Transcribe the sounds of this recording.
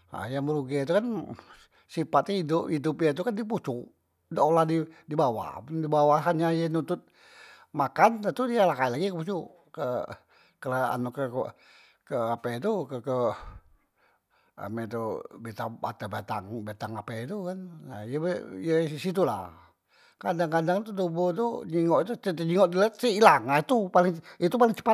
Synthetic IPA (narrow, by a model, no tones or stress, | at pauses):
a̰jaməɾuɡit̪̬ukan | sipat̪aidoʔidupjat̪̬ukandiput͡ʃu | dəolahdidibawa̰dibawaɦanɲajənut̪ʊt̪̚ | makant̪ət̪udialakailaɡikəput͡ʃu | kə | kəlaa̰nukək | kəapet̪ukəkə | a̰mɛt̪ubet̪aa̰t̪əbat̪a̰ŋbet̪aŋapɛt̪ukanna̰jəbjəsit̪̬ula̰ | kadaŋkadaŋt̪ut̪ubot̪̬uɲiŋɔʔt̪ut̪ət̪əɲiŋɔʔdilat̪sihilaŋait̪upalɪŋit̪upalɪŋt͡ʃə̥pa